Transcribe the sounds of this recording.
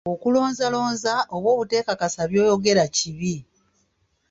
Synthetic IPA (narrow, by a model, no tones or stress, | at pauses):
okulo̞ːnzalo̞ːnzaʔo̞βwo̞ːβute̞ːkakasaβjo̞ːjo̞ɡe̞ɾaciβi